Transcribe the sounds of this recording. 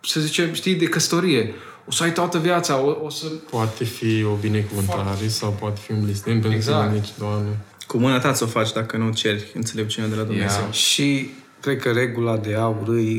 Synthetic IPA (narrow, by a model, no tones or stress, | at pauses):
səzit͡ʃe̞mʃt̪ijd̪e̞kəst̪oɾije̞ | osəajt̪oat̪əvjat̪saoosəpoat̪efio̞bine̞kuvɨnt̪aɾesawpoat̪efiunlisnenp̬enaenit͡ʃd̪oamnekumɨnat̪at̪sʲo̞fat͡ʃʲd̪akənut͡ʃe̞rʲɨnt̪se̞le̞p̚t͡ʃunead̪e̞lad̪umneaze̞wʃi | kɾe̞d̪̚kəɾe̞ɡulad̪e̞auɾɨj